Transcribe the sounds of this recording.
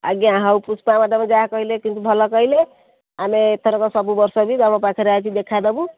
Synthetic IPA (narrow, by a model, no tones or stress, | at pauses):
a̰ɡjaɦawpusʰpamaʈɔmed͡ʒaɦkɔɦilekint̪ubʱɔlɔkɔɦile | ameːt̪ʰɔɾɔkɔsɔbubɔɾsɔbid̪aɽ̃ɔpakʰɔɾat͡ʃʰid̪ekʰad̪ɔbũ